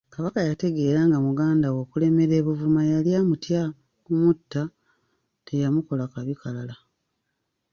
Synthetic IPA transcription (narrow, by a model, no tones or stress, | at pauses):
kaβakajate̞ɡe̞ːɾaŋɡamuɡaːndawo̞ːkule̞me̞ɾe̞βuvumajaljamutja | kumutːa | tʰe̞jamuko̞lakaβikalala